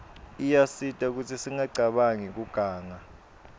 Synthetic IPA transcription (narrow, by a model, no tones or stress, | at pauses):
ijasitʼauk̬utʰisiŋaǀʱaɓaŋik̬uɡ̥ʱaːŋa